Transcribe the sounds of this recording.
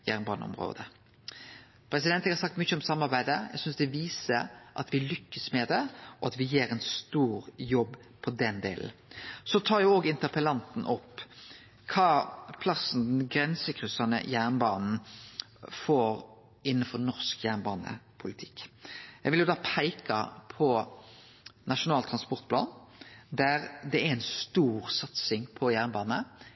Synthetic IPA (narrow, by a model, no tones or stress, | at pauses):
jæːʁnbɑːnə̰ɔ̰mʁo̰ːd̪ə | pʰɾɛsɪd̪ɛnæɡhɑsɑk̚t̪mʏçːəɔmsɑmːɑɾbæɪd̪əjæ̰ɪɡsʏnsd̪ɛʋiːsəʔɑt̪ʋɪlʏkːəsmɛd̪ɛʔɔɑt̪ʋɪjeːɾɛnst̪uːɾjɔbː | pʰɔd̪ɛnd̪ḛːl̩sɔt̪ʰɑːɾjʊoːɡɪnt̪əpəlɑnt̪n̩ʔɔpː | kʰɑːpʰlɑsn̩d̪ɛnɡɾɛnsəkʰʁʉsɑnə̰jæːʁnbɑːnn̩ | foːɾ | ɪnːənfɔɾnɔʁskjæːnbɑːnə̰pʰʊlɪt̪ʰɪ̥kːjɛɪʋɪljʊd̪ɑːpʰæɪkɑ̰pʰɔ | nɑʂʊnɑːlt̪ʰʁɑnspɔɾʁt̪̚pʰlɑ̰ːnd̪æʁd̪ɛæɾɛnst̪uːʁsɑt̪sɪŋpʰɔjæːʁnəbɑːnə